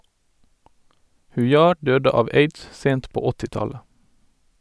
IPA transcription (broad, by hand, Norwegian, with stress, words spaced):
hʉˈjɑː ˈɖøːdə ˈɑːʋ ˈeɪds ˈseːnt ˈpoː ˈɔtɪˌtɑlə